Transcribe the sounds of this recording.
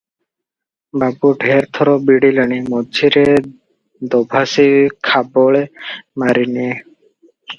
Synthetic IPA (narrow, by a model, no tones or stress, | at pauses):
babuɖʱeɾt̪ʰɔɾɔbiɽilaɽ̃imɔdiɾe | d̪ɔbʱasikʰabɔɭemaɾinie